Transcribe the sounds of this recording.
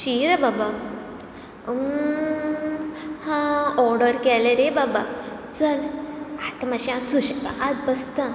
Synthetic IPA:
ɕiɾababa | hãɔɾɖəɾkɛleɾebabat͡salat̪amaɕiãsuɕbaat̪̚bəst̪ə

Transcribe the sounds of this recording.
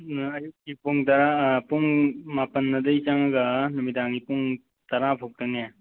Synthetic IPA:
ɐjuk̚kipuŋtɐɾapuŋmapɐnːɐdɐjt͡ʃaŋaɡɐnumitaŋipuŋ | tɐɾapʰok̚tɐnija

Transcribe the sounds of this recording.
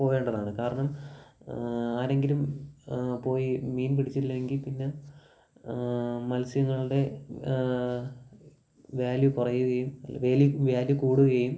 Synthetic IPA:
po̞ːjeːɳɖɐðaːɳɨkaːɾɐɳɐm | aːɾe̞ŋɡilum | po̞ːjimiːnpiɽit͡ɕːitilːɐeŋɡilpinːe̞ | mɐlsjɐŋːɐɭɨɽe̞ | ʋaːljupɐrɐjuɣɐjumɐʋeːljuʋaːljukuːɽuɣɐjum

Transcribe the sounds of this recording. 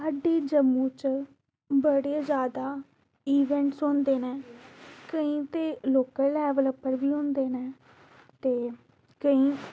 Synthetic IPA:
saːɖiːd͡ʒəmːũːt͡ʃ | bəɽeːzjaːd̪aː | iːʋɛ̃ːɳʈsond̪eːnɛ̃ːkəĩːt̪eːloːkəlːɛːʋələpːəɾʋiːɦʊ̃nd̪eːnɛː | t̪eː | kəĩː

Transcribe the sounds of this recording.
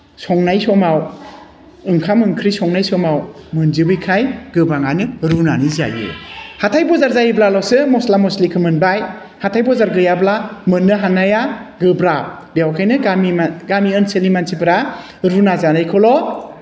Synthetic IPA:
sɔŋnajsɔmaw | ɯŋkʰamɯŋkʰɾisɔŋnajsɔmawmɯnzibɯjkʰajɡɯbaŋanɯɾunaniza̰jɯ̰hatʰajbɔzaɾzajɯblalɔsɯmɔslamɔslikʰɯmɯnbaj | hatʰajbɔzaɾɡɯjablamɯnːɯɦanajaɡɯbɾa | bijawkʰajnɯɡamiaɡamiɯnselimansʰipʰɾa | ɾunazanajkʰɔlɔ

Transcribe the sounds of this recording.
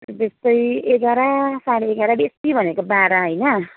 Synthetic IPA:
t̪est̪ʌjekʌɾasaɽiekʌɾabest̪ibʱʌnekobaɾaɦʌjnʌ

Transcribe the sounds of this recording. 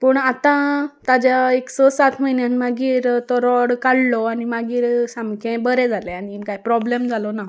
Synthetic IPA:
pəɳat̪ãt̪ad͡ʑjaeksɔsat̪ʰməinjãnmaɡiːɾt̪ɔɾɔɽkaɽlɔanimaɡiːɾsãmkʰɛ̃bəɾɛ̃d͡zʱalɛaniːkajpɾɔblemd͡zʱalɔna

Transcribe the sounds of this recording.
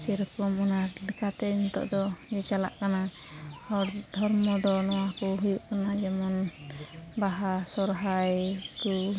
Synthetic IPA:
sɛɾɔkɔmunaɾlɛkat̪ɛnt̪ɔ̰ʔd̪ɔd͡ʒɛt͡ʃala̰ʔkana | hɔɾd̪ʱɔɾmɔd̪ɔnɔwakɔɦujuʔkanad͡ʒɛmɔn | baɦasɔɾɦajk̪u

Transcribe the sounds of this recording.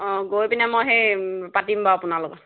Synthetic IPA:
ɔɡojpinɛmojɦejpatimbaapʊnalʊkɔ

